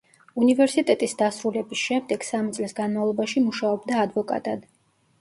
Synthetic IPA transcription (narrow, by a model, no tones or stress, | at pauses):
univɛɾsit̪ʼɛt̪ʼisd̪asɾulɛbisʃɛmd̪ɛɡ̥samit̪sʼlisɡanmavlˠɔbaʃimuʃaɔbd̪aːd̪vɔkʼa̰t̪ʼad̪